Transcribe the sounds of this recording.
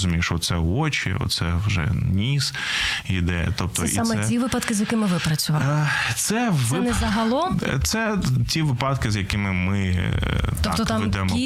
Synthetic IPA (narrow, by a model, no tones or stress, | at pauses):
zʊmʲiʃɔt̪sɛɔt͡ʃḭɔ̰t̪sɛwʒɛ̰nʲis | jid̪ɛjɐ̰t̪ɔp̚t̪ɔ̰sḭamɛɛiʋɪpɐt̪kɪzjɐkɪmɪʋɪpɾɐt͡sʲʊʋɑt̪sɛʋɪnɛzɐɦɐlˠɔmt̪sɛtʲiʋɪpɑt̪kɪzjɐkɪmɪmɪ | t̪ɔt̪ɔt̪amʋɛd̪ɛmɔ